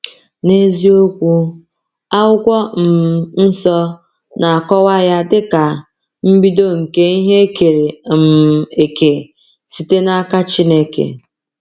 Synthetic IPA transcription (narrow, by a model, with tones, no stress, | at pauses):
ne˦zi˦o˦kʷu˦ | a˦wʊ˦kʷɔ˦m̩˨n̩˦sɔ˦ | nʔa˨a˨kɔ˦wa˦ja˦dɪ˦ka˨ | m̩˦bi˦do˦ŋ̩˨ke˦i˦ɦe˦ke˨ɾe˨m̩˨e˨ke˨ | si˨te˦na˦ka˦t͡ʃi˦ne˦kḛ˨